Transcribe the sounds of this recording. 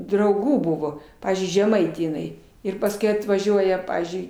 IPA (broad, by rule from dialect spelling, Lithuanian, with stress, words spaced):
drɐʊˈɡuː ˈbʊʋoː ˈpɑːʋʲiːzʲd͡ʒʲʊɪ ʒʲɛˈmɐɪtʲeː jɪˈnɐɪ ɪr pɐsˈkʊɪ ɐtʋɐˈʒʲuɔjɛ ˈpɑːʋʲiːzʲd͡ʒʲʊɪ